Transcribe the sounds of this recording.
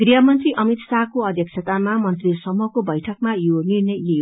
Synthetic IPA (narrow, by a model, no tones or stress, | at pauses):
ɡriɦʌmʌnt̪riʔʌmit̪sakoʌd̪ʱjʌk̚t͡ʃʰʌt̪amamʌnt̪risʌmukobʌjʈʰʌk̚majonirnʌjjoj